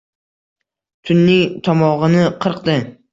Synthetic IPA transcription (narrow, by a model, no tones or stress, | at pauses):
t̪ʰʊnːɪŋʲt̪ʰɒmɒʁɨnɪqʰɨɾqd̪ɪ